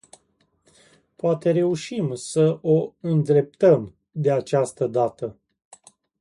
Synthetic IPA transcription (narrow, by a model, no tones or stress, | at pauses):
poat̪e̞ɾe̞uʃimsəʔoɨnd̪ɾe̞p̚t̪əm | d̪e̞at͡ʃast̪əd̪at̪ə